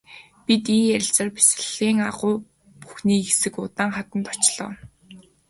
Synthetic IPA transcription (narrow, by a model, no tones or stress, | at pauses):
pit̪iːæɾʲɪ̆ɬt͡sə̆ːrpi̥s̆ɮiːŋaʁʊː | pu̥xniːesɘ̆kʊt̪aːŋχat̪ə̆nt̪ɔt͡ɕɮɔ̰ː